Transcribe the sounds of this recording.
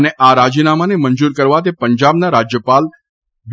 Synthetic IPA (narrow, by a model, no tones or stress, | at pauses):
neʔaɾad͡ʒinamanemənd͡ʒuɾkəɾʋat̪̬epəɲd͡ʒabnaɾad͡ʒjəpal | ʋ